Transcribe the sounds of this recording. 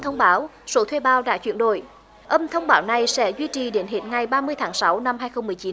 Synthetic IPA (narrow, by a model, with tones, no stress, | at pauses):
t̪ʰə˧wŋ͡mɓaː˨˦wso˨˦t̪ʰwe˧ɓaː˧˦wɗa̰ː˧˥t͡ɕwi˧˩nɗo̰˧˩j | ʔə˧mt̪ʰə˧wŋ͡mɓaː˨˦wna˨˩jsɛ̰˧˥zwi˧t͡ɕi˨˩ɗe˨˦nɦḛ˧˥tŋa˨˩jɓaː˧mɨ˧əjt̪ʰaː˨˦ŋsa˨˦wna˧mhaː˧jxə˧wŋ͡mːɨ˨˩əjt͡ɕi˨˦